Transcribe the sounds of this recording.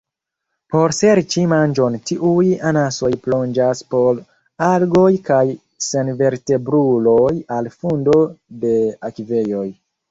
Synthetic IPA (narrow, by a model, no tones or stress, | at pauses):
po̞ɾse̞ɾt͡ʃimand͡ʒo̞ntiʔujanaso̞jplo̞nd͡ʒaspo̞l | aɾɡo̞jkaj | senve̞ɾte̞bɾulo̞jalfundo̞de̞akive̞jo̞j